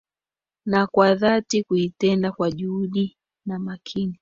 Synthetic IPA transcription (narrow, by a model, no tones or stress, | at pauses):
nakwaðatikuitɛndakwaʄuuɗi | namakʰini